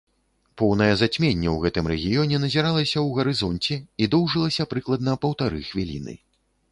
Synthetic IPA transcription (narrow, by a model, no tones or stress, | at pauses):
pɔwnɐjɐzat͡sʲmʲenʲːɐwɣɛt̪ɨmɾɛɣʲijɔnʲɛnɐzʲiɾalˠɐsʲɐwɣɐɾɨzɔnt͡sʲɛid̪ɔwʐɨlˠɐsʲɐpɾɨklˠɐd̪nɐpɐwt̪aɾɨ̰xvʲilʲḭnɨ̰